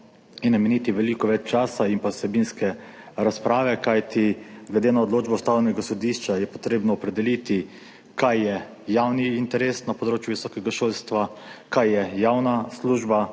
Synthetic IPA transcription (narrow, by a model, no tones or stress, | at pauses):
inːamɛniːt̪iʋɛlikɔʋɛt͡ʃt͡ʃaːsaimpasɛbinskɛ | ɾaspɾaːʋɛkajt̪ʰiɡlɛd̪enaɔd̪loːd͡ʒbɔst̪aːwlɛnɛɡasɔd̪iʃt͡ʃajɛpɔ̥t̪ɾeːbnɔːpɾɛd̪ɛlit̪i | kajːɛ | jawniːnt̪ɛɾesnapɔd̪ɾoːt͡ʃjuʋisɔːkɛɡaʃoːlst̪ʋakajːɛjawnasluːʒba